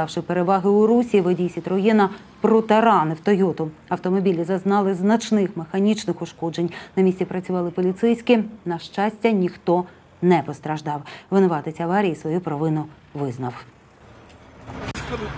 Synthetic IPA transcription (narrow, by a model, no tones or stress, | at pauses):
ɑwʃɪpeɾeʋɑɦɪʊɾusʲiʋɔdʲijsʲit̪ɾɔjɪnɐ | pɾɔt̪ɐɾɑnɪwt̪ɔjɔt̪ʊ | ɐwt̪ɔmɔbʲilʲizɐznɑlˠɪznɐt͡ʃnɪxmexɐnʲit͡ʃnɪxʊʃkɔd͡ʒenʲnɐmʲisʲtʲipɾɐt͡sʲʊʋɑlˠɪpɔlʲit̪sɛjsʲkʲinɐʃt͡ʃɑsʲtʲːɐnʲixt̪ɔ | nɛpɔst̪ɾɐʒd̪ɑwʋɪnɔʋɑt̪ɪt͡sʲɐʋɑɾʲijisʋɔjupɾɐʋɪnʊ | ʋɪznɐw